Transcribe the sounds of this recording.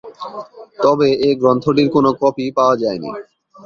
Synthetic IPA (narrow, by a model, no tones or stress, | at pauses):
t̪ɔbeeɡɾɔnt̪ʰoʈiɾkonokɔpipaoad͡ʑaenḭ